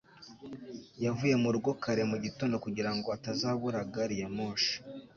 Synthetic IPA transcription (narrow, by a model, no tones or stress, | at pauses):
javuje̞muɾɡo̞kaɾe̞muɟito̞ndo̞kuɟiɾaŋɡo̞atazaːβuɾaɡaɾijamoːʃḁ